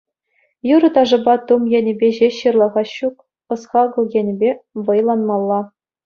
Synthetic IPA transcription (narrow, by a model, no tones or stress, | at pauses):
juɾɤ̆t̪ɑʐɤ̆bɑt̪umjenʲɘ̆bʲeʑeɕɯrlˠɑʁɑɕuk | ɤ̆sχɑɡɤ̆lˠjenʲɘ̆bʲeʋɤ̆jlˠɑnmɑlˠːɑ